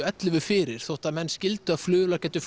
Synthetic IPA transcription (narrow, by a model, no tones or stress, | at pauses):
ɛt̪lʏvʏfɪːɾɪɾ̥θowht̪amɛnːscɪlt̪ʏað̥flʏːʏlacɛːt̪ʏf